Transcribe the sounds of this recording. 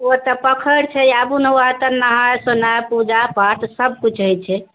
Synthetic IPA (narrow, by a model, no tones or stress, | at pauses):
ot̪əpəkʰəɽt͡ʃʰɛjabuneoat̪ənəɦajsonajpud͡ʒapaʈ̪ʰsəb̚kut͡ʃʰɦəjt͡ʃʰɛ